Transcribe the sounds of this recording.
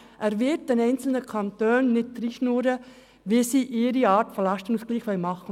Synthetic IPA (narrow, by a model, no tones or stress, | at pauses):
ʔæːɾʋɪt̚d̥ɛnɛɪnt͡sl̩nəkʰɑnt̪øːnːɪt̚d̥ɾiːʃnuːɾə | ʋiəsiːʔɪːɾiɑːtfɔlɑʃtənusɡ̥liːχʋɛlmɑχə